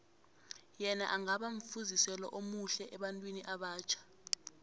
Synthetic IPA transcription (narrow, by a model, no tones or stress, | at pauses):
jɛna̰ʔaŋaɓaɱ̩fuzisɛlɔʔomuɬɛʔɛɓantʼwiniʔaɓaːt͡ʃʰḁ